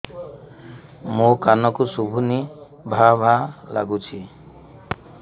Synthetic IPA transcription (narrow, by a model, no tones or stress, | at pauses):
mokanɔkusubʱuni | bʱabʱalaɡut͡ʃʰi